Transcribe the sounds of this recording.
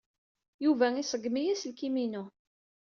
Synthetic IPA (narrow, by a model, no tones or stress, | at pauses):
juvæisəɡmijæslkiminu